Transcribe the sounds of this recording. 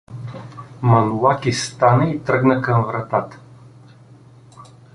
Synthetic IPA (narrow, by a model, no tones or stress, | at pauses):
mɐnulˠakist̪anəit̪ɾəɡnəkɐmvɾɐt̪at̪ə̥